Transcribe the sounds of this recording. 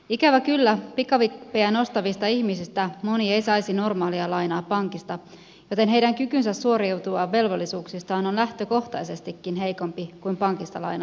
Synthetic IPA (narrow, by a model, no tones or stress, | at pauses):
ikæʋækylːæpikːɑʋipeæno̞st̪ɑʋist̪ɑiçmisist̪æmo̞niejsɑjsino̞rmɑːliɑlɑjnɑːpɑŋkist̪ɑ | jo̞t̪e̞nɦe̞idæŋkykynsæssuo̞ɾiwt̪uɑʋe̞lʋo̞lːisuːksist̪ɑːnonlæht̪øko̞ht̪ɑjse̞st̪ikːinɦe̞jko̞mpikuimpɑŋkist̪ɑlɑ̰jnɑ